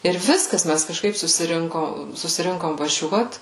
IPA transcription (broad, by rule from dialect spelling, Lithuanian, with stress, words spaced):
ɪr ˈʋʲɪskɐs ˈmʲæs kɐʃˈkɐɪp sʊsʲɪˈrʲɪŋkoː sʊsʲɪˈrʲɪŋkoːm ʋɐˈʒʲuɔt